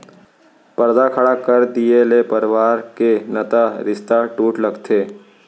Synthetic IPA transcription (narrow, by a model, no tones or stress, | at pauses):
pəɾd̪akʰɐɽakəɾd̪ielepəɾʋaːɾkenət̪aɾɪst̪aʈuːʈləɡt̪ʰeː